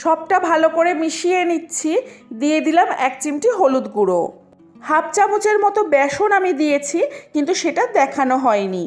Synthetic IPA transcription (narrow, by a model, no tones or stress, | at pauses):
ʃɔb̚ʈabʱalopoɾemiʃienitːɕʰid̪ied̪ilamɛkt͡ɕimʈiɦolud̪ɡuɾo̰ | hap̚t͡ɕabut͡ɕeɾmɔt̪obɛʃonamid̪ijet͡ɕʰikint̪uʃeʈad̪ɛkʰanoɦɔeni